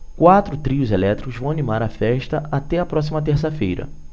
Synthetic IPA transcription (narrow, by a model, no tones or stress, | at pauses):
kwat̪ɾʊt̪ɾiʊzelɛt̪ɾikʊzvɐ̃w̃animaɾɐfɛʃt̪ɐat̪ɛɐpɾɔs̬imɐt̪eɾsɐfejɾɐ̰